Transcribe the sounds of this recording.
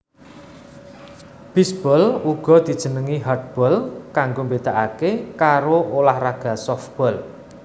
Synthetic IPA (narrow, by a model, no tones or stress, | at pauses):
b̥isb̥ɔluɡ̥ɔ̤d̪̥i̤d̥ʒ̥ə̤nəŋiɦard̪̚b̥ɔlkaŋɡombed̪̥aʔakekaɾoolahraɡ̥a̤sɔfb̥ɔl